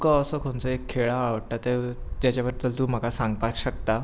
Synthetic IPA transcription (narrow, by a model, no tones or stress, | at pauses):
kəəsəkʰoɳt͡səekʰːeɭaːʋəɽʈat̪et̪jat͡ɕjaʋəɾd̪ʱəlt̪um̤əkasãŋɡpakɕək̚t̪a